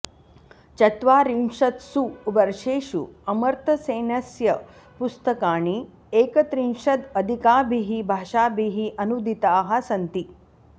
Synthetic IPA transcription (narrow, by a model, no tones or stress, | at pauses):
t͡ʃɐt̪ʋaːɾimʂɐt̪suʋɐɾʂeːʃṵɐmɐɾt̪ʰɐseːnɐsjɐ | pust̪ɐkaːɳ̃i | eːkɐt̪ɾinʂɐd̪ɐd̪ʱikaːbʱiɦibʱaːʂaːbʱiɦiʔɐnud̪ʱit̪aːɦasɐnt̪i